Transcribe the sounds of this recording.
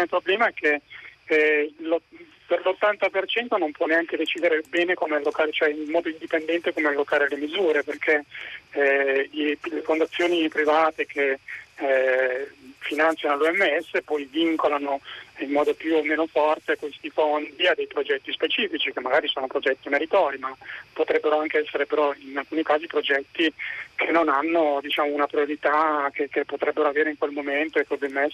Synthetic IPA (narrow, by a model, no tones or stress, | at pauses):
opɾoblɛːmaɛkʰːe | lo | perlot̪ːant̪apert͡ʃɛnt̪onompwɔneaŋked̪et͡ʃiːd̪eɾebɛːnekomealːokaːɾet͡ʃoɛimːɔːd̪oind̪ipend̪ɛnt̪ekomealːokaːɾelemizuːɾeperkʰe | ilefond̪at̪sːjoːnipɾivaːt̪ekʰe | finant̪sjanoluɛmːeɛsːepɔjviŋkolanoimːɔːd̪opjuomːeːnofɔrt̪ekwest̪ifond̪iad̪ːejpɾod͡ʒɛt̪ːispet͡ʃiːfit͡ʃikemːaɡaːɾisoːnopɾod͡ʒɛt̪ːimeɾit̪ɔːɾimapːot̪ɾɛbːeɾoaŋkeɛsːeɾepeɾɔinalkuːnikaːzipɾod͡ʒɛt̪ːikʰenːonanːod̪it͡ʃaːmounapɾioɾit̪akekepːot̪ɾɛbːeɾoaveːɾeiŋkwelmoment̪oekːeluɛmːeɛs